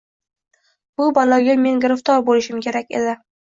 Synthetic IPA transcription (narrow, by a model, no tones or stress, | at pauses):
b̥ʊbɒlaɡʲame̞ŋɡʊɾɪft̪ʰɒɾbolɪʃɪmkʲʰe̞ɾak̚ʲḛd̪ɪ